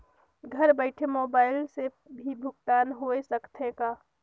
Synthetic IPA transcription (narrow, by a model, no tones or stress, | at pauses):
ɡʱəɾbəɪʈʰemoːbaːɪlse | bʱibʱʊɡt̪aːnɦoːesəkt̪ʰekaː